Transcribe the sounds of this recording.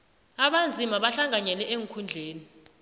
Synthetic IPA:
aɓand͡zʱimaɓaɬaŋʱaɲɛlɛʔeŋkʰund͡ɮʱeːni

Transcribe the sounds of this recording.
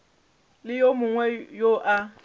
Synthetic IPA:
lɪjomʊŋwɛjoʔa

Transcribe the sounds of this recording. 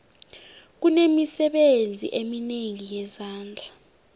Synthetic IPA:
k̬unemisɛɓend͡zʱḭʔemineŋijɛzaːnd͡ɮʱa

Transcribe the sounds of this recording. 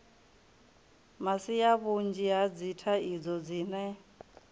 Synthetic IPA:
masijaβund͡ʒiɦad͡zitʰaid͡zɔd͡ziːnɛ

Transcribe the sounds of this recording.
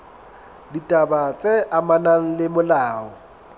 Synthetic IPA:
ditʼabat͡sʼeʔamanaŋ̩lɪmʊlaːɔ

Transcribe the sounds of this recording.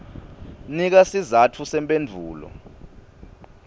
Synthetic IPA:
nik̬asizatʰusɛmpʼend͡vʱuːlɔ̰

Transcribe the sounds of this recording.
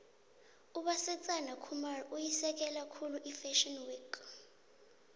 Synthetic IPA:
uɓasɛt͡sʼanakʰumarujisɛk̬ʼɛlakʰuluʔifɛʃɔnwek

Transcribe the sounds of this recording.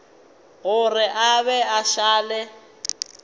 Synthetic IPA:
ɣʊrɪʔaβɛaʃaːlɛ

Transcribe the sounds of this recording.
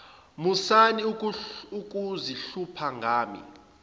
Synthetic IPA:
musaniukʼuziɬupʰaŋɡʱaːmḭ

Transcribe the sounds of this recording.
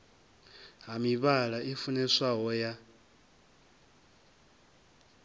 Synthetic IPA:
ɦamiβalaʔifunɛsaɦɔja

